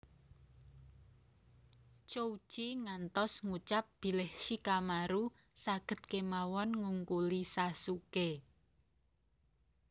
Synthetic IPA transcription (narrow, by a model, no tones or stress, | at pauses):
t͡ʃou̥ʒ̥iŋant̪ɔsŋut͡ʃap̚b̥i̤lɪhʃikamaɾu | saɡ̥ə̤t̪̚kemawɔnŋuŋkulisasuke